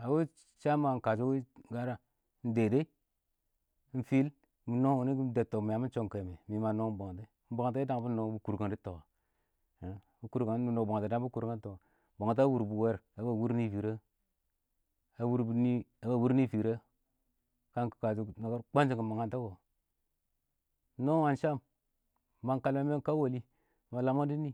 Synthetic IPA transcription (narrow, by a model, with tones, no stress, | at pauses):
a˨we˦ | t͡ʃa˦ma˨ŋ˨ka˨d͡ʒu˦wi˦ɡa˦ɾa˦ | n̩˦de˨de˦i˦ | fi˦l | mu˨no˦u˨ni˦ɡi˦de˨to˨mi˨ja˨˦mi˦n˦t͡ʃo˦ŋ˨ke˨me˨mi˨˦ma˨no˦bo˨ŋ˨te˦m̩˦bo˨ŋ˨te˦i˦da˦ŋ˦bu˦no˨˦bu˦ku˨ɾɡa˨ndi˦to˨ka˨˦ | bu˦ku˦ɾɡa˨˦u˦no˨bo˨ŋ˨te˨da˦ŋ˦u˦ku˦ɾɡa˦to˨a˨ | bo˨ŋ˨t̬a˦wu˨ɾbu˨we˦ɾa˨ba˨wu˦ɾni˦vi˨ɾe˦ | a˨wu˦ɾbu˦ni˦a˨˦ba˨wu˦ɾni˦fi˨ɾe˦ | ka˦ŋkka˨si˨na˨ka˦ɾk͡pa˦nd͡ʒi˨ɡi˨ma˨ŋa˨nta˦ɡo˨˦ | no˦wa˨nʃa˦m˦ | ma˦ŋka˨lme˦m˦e˦ka˦wo˨li˦ | ma˨la˨ma˦di˦ni˦